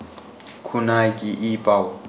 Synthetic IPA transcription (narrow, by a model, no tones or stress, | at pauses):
kʰunakʼiʔipʼa